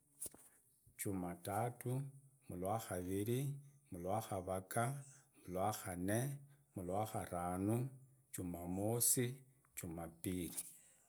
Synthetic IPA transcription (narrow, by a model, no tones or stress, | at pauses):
t͡ʃumatatumulwaxaβilimulwaxaβakamulwaxanemulwaxaɾanu | t͡ʃumamosi | t͡ʃumapili